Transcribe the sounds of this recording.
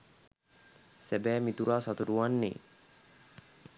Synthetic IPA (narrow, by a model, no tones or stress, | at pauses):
sæbæːmit̪uɾaːsat̪uɾuʋanːḛː